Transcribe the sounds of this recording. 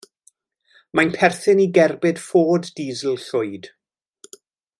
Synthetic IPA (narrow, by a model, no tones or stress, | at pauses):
majnpʰɛrθɨniɡɛrbɨd̥foːdːiːzl̩ˠɬʊɨd̥